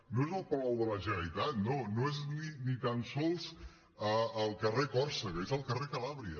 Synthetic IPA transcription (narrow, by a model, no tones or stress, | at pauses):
noezəlˠpəlɔwðələʒənəɾit̪at̪nonoezninit̪ansɔlˠz | əːlˠkərekɔrsəɣəezəlˠkərekəlaβɾiə